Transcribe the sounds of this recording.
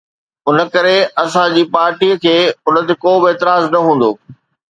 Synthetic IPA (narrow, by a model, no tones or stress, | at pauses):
ʊnə̆kɐɾeɐsãd͡ʑiːpaːɾʈiːəkʰeːʊnə̆t̪ekoːbɪeːt̪ɪɾaːznɐɦũːnd̪oː